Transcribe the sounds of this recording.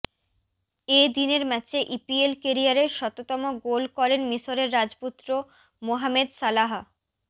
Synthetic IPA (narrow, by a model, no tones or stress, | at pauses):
ed̪ineɾmɛt͡ɕeʔipielkeɾiaɾeɾʃɔt̪ot̪ɔmoɡolkɔɾenmiʃoɾeɾːad͡ʑput̪ːɾo | moɦamed̪salaɦa